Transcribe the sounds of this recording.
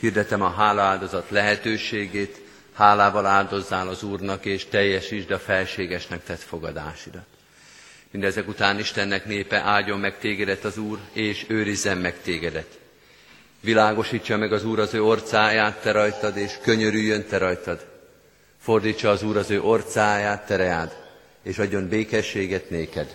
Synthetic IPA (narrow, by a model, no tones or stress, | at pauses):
hird̪ɛt̪ɛmɒɦaːlɒaːld̪o̞zɒt̪lɛɦɛt̪øːʃeːɡeːt̪ | haːlaːvɒlaːld̪o̞zːaːlɒzuːrnɒkeːʃt̪ɛjːɛʃiʒd̪ɛɒfɛlʃeːɡɛʃnɛkt̪ɛt̪fo̞ɡɒd̪a̰ːʃid̪ɒt̪ | mind̪ɛzɛkut̪aːniʃt̪ɛnːɛkneːpɛʔaːɟo̞mːɛkt̪eːɡɛd̪ɛt̪ɒzuːreːʃøːɾizːɛmːɛkt̪eːɡɛd̪ɛt̪ | ʋilaːɡo̞ʃit͡ʃːɒmɛɡɒzuːɾɒzøːo̞rt̪saːjaːt̪ːɛɾɒjt̪ɒd̪eːʃkø̞ɲø̞ɾyjːø̞nt̪ɛɾɒjt̪ɒd̪ | fo̞rd̪it͡ʃːɒːzuːɾɒzøːʔo̞rt̪saːjaːt̪ːɛɾɛaːd̪ | eːʃɒɟːo̞nbeːkɛʃːeːɡɛt̪neːkɛd̪